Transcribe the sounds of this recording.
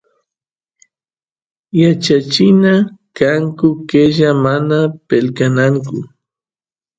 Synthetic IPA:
jat͡ʃat͡ʃɪnakaŋkʊkeʒamanapelkanaŋkʊ

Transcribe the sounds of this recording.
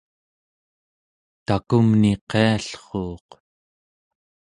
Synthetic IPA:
t̪akumniqʰeaɬχoːq

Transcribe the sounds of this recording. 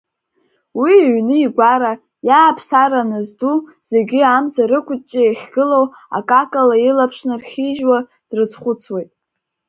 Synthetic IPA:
wiɥnɨiɡʷaɾa | jaːpʰsaɾanazdu | z̥e̞ɡʲɪamzaɾɨkʷʰʼʊt͡ʃʼieχʲɡɨlow | a̰kʼakʼalailapʰʂnɨrχʲiʒwa | d̥rɨt͡sʰχʷʊt͡sʰwejtʼ

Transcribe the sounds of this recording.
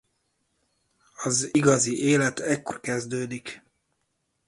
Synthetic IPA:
ɒziɡɒziʔeːlɛt̪ɛkːo̞rkɛzd̪øːd̪ik

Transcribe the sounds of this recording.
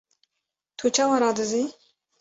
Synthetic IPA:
t̪ʰut͡ʃʰawaɾad̪ɨzi

